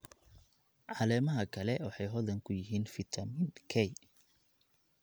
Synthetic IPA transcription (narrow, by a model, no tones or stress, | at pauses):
ʕɑlɛːmɐɦɐkʰɐlɛwɑħɑjɦɔðɐŋkʰʊjɪɦiːnfɪt̪ʰɐmɪnkʰɛj